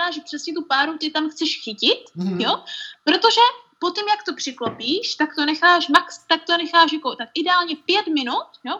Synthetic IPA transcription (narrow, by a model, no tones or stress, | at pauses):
aːʒɛpr̥ɛsɲɛt̪upaːɾut̪ɪt̪amxt͡sɛʃxɪcɪt̪jopɾo̞t̪oʒɛpo̞t̪imjakt̪o̞pr̝̥ɪklopiːʃt̪akt̪o̞nɛxaːʃmakst̪ak̚t̪o̞nɛxaːʃ̬jakot̪akʔɪdɛaːlɲɛpjɛt̪mɪnut̪̚jo